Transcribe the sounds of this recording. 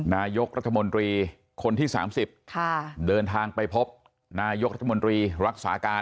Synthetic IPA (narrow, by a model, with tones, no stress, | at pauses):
naː˧jo˦˥k̚ɾa˦˥t̪ʰːa˧mo˧nt̪ɾiː˧ | kʰo˧nt̪ʰiː˥˩sa̰ː˩˦msi˨˩p̚kʰa˥˩dɤː˧nt̪ʰaː˧ŋpa˧jpʰo˦˥p̚ | naː˧jo˦˥k̚ɾa˦t̪ʰːa˧mo˧nt̪ɾiː˧ɾa˦˥t̪̚sa̰ː˩˦kaː˧